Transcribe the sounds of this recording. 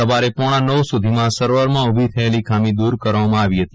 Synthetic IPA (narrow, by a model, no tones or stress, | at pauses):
əʋaɾepɔɽ̃ãnəʋsud̪ʱimãsəɾʋəɾmãubʱit̪ʰəelikʰamĩd̪uɾkəɾʋamãaʋiɦət̪i